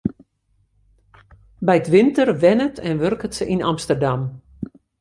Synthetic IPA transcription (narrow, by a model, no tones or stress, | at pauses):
bɛjətʋɪntərʋɛnətʰɛnʋørkətsəʔinamstərdam